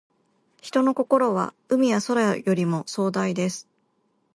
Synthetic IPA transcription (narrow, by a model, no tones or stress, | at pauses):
çi̥t̪o̞no̞ko̞ko̞ɾo̞β̞a̰ | ɯ̟mʲijaso̞ɾaajo̞ɾʲimo̞so̞ːd̪aid̪e̞sɨ̥